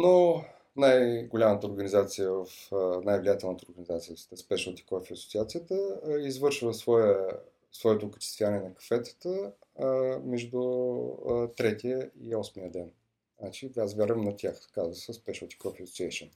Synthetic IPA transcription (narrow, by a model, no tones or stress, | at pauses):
no | najɡʊlʲamət̪əoɾɡənizat̪sijəvəfnajvlʲijat̪ɛlˠnət̪əoɾɡənizat̪sijəst̪ɛspɛʃəlˠt̪i̥kɔfiɐsʊ̥t̪siat̪sijət̪əizvɤɾʃvəsvɔjə | svɔɛt̪ʊkə̥t͡ʃ̪i̥st̪vʲijanɛnɐkɐ̥fɛt̪ə̥t̪ə | mɛʒd̪u | t̪ɾɛt̪iəiɔsmiəd̪ɛn | at͡ʃiazvʲjaɾvəmnɐt̪ʲʰaxkazvəsɛspɛʃəlˠt̪i̥kɔfiɐso̥t̪siɛjʃən